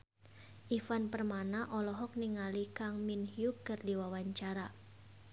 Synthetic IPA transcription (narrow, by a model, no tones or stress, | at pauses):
ʔifanpərmanaʔɔlɔɦɔk̚niŋalikaŋminhjukɨrdiwawaɲt͡ʃaɾa